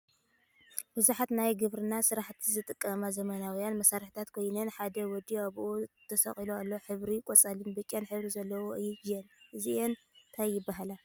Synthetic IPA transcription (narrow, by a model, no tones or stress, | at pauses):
bɨzuħat̪najɡɨβɾɨnasɨɾaħt̪ʰizɨt̪ʼɨkʼːɐmazɐmɐnawijanmɐsaɾɨħit̪ʰat̪kʰo̞jnɐnħad̪ɐwɔd̪iaβʔot̪ʰɐsɐ̰χʼiloalːoħɨβɾikʼɔt͡sʼalɨnbɐkʲʼijanħɨβɾizɐlːɐwoɨjːjɛnɨzien | t̪ʰajːɪbːaɦala